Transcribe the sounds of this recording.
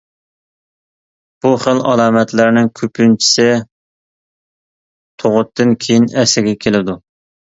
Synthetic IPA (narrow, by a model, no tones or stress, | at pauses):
b̥uχəlɑlˠɑːmɛt̪lɪɾnɪŋkʲʰøpynt͡ʃʰi̥sɪ | t̪ʰoʁʊt̪ʰːɨnkʲʰejinɛsɪɡʲɛkʲʰelɪd̪u